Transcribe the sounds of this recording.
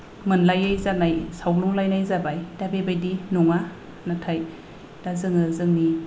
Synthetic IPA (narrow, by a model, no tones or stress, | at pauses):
mɯnlajajzanajsawluŋlajnajzabajd̥abebajdinɔŋa | natʰaj | d̥azɯŋɯzɯŋni